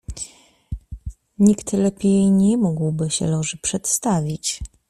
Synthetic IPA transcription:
ɲikt̪lɛpʲjejɲɛmuɡwbɘɕɛ̰lɔʐɘpʂɛt̪st̪avʲit͡ɕ

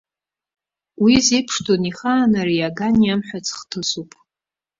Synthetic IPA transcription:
wizejpʰʂtʰoniχaːnarijaɡanjamħʷᶣat͡sʰʼχtʰɨsupʼ

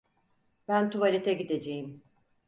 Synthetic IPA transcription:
bænt̪ʰuvalʲet̪ʰɛɟid̪ed͡ʒejim

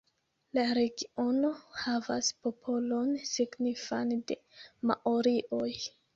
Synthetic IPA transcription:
laɾe̞ɡio̞no̞havaspo̞pʰo̞lo̞nsiɡnifande̞ma̰ʔoɾiʔoj

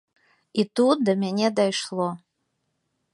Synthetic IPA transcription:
itut̚d̪amʲenʲed̪ajʂlˠo

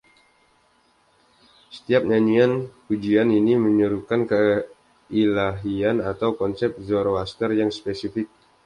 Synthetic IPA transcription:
sə̥t̪iap̚ɲaɲianpud͡ʒianiniməɲəɾukankə | ilaɦianat̪awkɔnsɛp̚zoɾoaskərjaŋspesifɪk̚

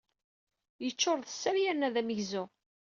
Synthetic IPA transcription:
jət͡ʃːʊɾˤðəsːæɾjænːæðæməʝzʊ

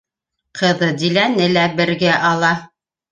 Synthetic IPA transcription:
qʰɤ̆ðɤd̪ilænɘlæbɘ̆ɾɡæʔɑlˠɑ

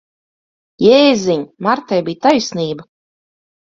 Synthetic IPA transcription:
jeːzʲiɲmaɾt̪ajbijt̪ajsʲniːba

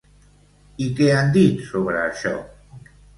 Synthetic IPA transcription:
ikɛand̪it̪soβɾəːʃɔ̰

